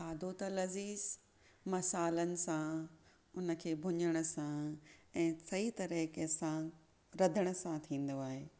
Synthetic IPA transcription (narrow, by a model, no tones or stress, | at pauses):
aːd̪ʱot̪ɐlɐziːz | mɐsaːlənɪ̆sã | ʊnə̆kʰeːbʱʊɲəɽ̃ʊ̆sãɛ̃ːsɐɦit̪ɐɾəɦkesã | ɾɐd̪ʱəɽ̃ʊ̆sãt̪ʰĩːn̆d̪oaːɦeː